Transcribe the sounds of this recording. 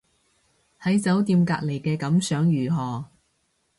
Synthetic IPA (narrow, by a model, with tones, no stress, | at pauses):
hɐ˨˥jt͡sɐ˨˥wt̪iː˧mkaː˧k̚le˨˩jkɛː˧kɐ˨˥msœː˨˥ŋjyː˨˩ɦɔː˨